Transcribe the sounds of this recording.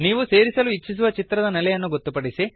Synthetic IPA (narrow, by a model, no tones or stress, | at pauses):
niːʋuse̞ːɾisɐluit͡ʃːis̬uʋɐt͡ʃit̪ɾɐd̪ɐnɛlɐjɐnːuɡot̪ːupɐɽisi